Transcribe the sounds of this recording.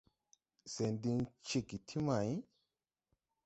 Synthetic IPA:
se˨ndi˧nt͡ʃi˨ɡi˨tʰi˦ma˨j

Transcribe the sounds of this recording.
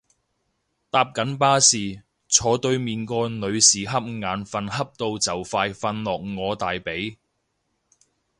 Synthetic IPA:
t̪aː˧p̚kɐ˨˥npaː˥siː˨ | t͡sʰɔː˨˧t̪ɵ˧ɥmiː˨nkɔː˧nɵ˨˧ɥsiː˨ɦɐ˥p̚ŋaː˨˧nfɐ˧nɦɐ˥p̚t̪o˧wt͡sɐ˨wfaː˧jfɐ˧nlɔː˨k̚ŋɔː˨˧t̪aː˨jpe˨˥j

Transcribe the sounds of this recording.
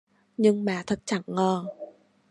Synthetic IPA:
ɲɨ˧ŋmaː˨˩t̪ʰə˨˩t̚t͡ɕa˧˩˦nːəː˨˩

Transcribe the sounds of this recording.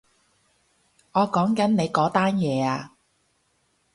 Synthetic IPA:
ŋɔː˨˧kɔː˨˥ŋkɐ˨˥nne˨˧jkɔː˨˥t̪aː˥njɛː˨˧aː˧

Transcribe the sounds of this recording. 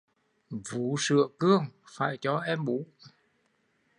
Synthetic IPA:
vu˨˦sɨ̰˧˨əkɨ˧əŋfa̰ː˧˩jt͡ɕɔ˧ʔɛ˧mʔu˧˨˦

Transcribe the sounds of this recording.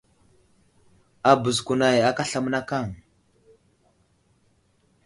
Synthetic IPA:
a˨bə˨zku˨na˨ja˦ka˦ɬa˦˨m˦na˦ka˦˨ŋ

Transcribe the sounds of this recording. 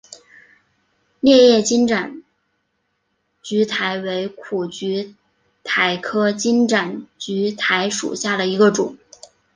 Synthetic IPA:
ljɛ˥˧jɛ˥˩t͡ɕi˥nʈ͡ʂa˨˩n | t͡ɕy˧˥t̪ʰa˧˥ɪwe˧˥ɪkʰu˨˩t͡ɕy˧˥ | t̪ʰa˧˥ɪkʰɤ˥t͡ɕi˥nʈ͡ʂa˨˩nt͡ɕy˧˥t̪ʰa˧˥ɪʂṵ˨˩ɕja˥˩d̪ə˩i˧˥ɡə˧ʈ͡ʂʊ˨˩˦ŋ

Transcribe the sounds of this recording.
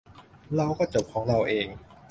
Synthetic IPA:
ɾa˧wkɔː˥˩t͡ɕo˨˩p̚kʰɔː˩˦ŋɾa˧wʔeː˧ŋ

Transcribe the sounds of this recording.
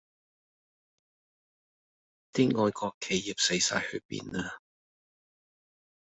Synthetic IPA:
t̪iː˥ŋɔː˨˧jkɔː˧kʰːe˨˩jjiː˨p̚se˨˥jsa̰ː˧jhɵ˧pḭː˧naː˧

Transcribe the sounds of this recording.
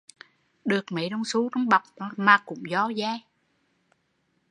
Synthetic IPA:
ɗɨ˨˩ək̚mə˨˦jɗɔ˧wŋ͡msu˨˦tɔ˧wŋ͡mɓa˨˩wk͡p̚ːmaː˨˩kʊ̰˧˥ŋ͡mzɔ˧˦zaː˧j

